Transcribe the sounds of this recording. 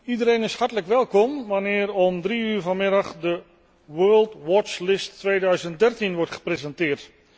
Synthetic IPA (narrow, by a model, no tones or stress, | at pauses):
idəreːnɪshartələkʋɛlˠkɔmʋanɪərɔmdriyːrvanmɪɾəχdə | ʋɜːlˠtʋɔt͡ʃlɪstːʋeːdœɥzənt̚dɛrtinʋɔrtχə̥prezɛntɪərt